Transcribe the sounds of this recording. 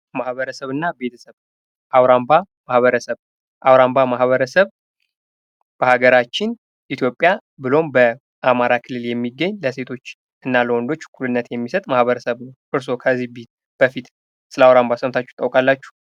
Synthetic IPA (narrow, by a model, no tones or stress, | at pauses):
mahβəɾəsəβɨnːabe̞t̪ʰə̥səβ | ʔawɾamba | mahβəɾəsəβ | ʔawɾambamaɦβəɾəsəβ | b̥əhaɡəɾat͡ʃːɪn | ʔit̪ʰjo̞pʼːjabɨlo̞mbə | ʔamaɾakʰɨlːɨljɛmːiɡːəɲːləse̞t̪ʰo̞t͡ʃː | ɨnːaləwɔnd̪o̞t͡ʃːkʰulɨnːət̪jɛmːisət̪ʼmahβəɾəsəβnəwʔɨɾso̞kʰəzːihbit̪̚ | b̥əfit̪ | sɨləawɾambasəmt̪ʰat͡ʃːɛ̥t̪ʼːəwkʼalːat͡ʃːu̥